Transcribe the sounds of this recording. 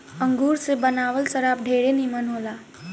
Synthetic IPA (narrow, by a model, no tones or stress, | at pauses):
əŋɡuːɾsebənaːʋəlsəɾaːp̚ɖʱeːɾenimənɦola